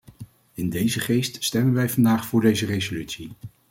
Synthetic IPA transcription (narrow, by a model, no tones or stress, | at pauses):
ɪndejzəχejststɛmənʋɛjvɑndaːχfʊːɹdejzərejzolytsi